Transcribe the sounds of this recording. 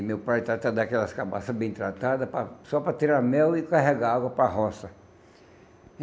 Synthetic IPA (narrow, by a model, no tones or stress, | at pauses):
mewpajt̪ɾat̪ad̪akɛlɐskabasɐbẽt̪ɾat̪ad̪ɐpɾɐsɔpɾɐt̪iɾamɛwɪkaɦɛɡaaɡwɐpɾaɦɔsɐ